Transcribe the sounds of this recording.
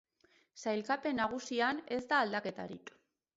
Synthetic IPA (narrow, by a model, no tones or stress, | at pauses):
sajlkape̞naɣ̞usiane̞zd̪aːld̪ake̞t̪a̰ɾḭk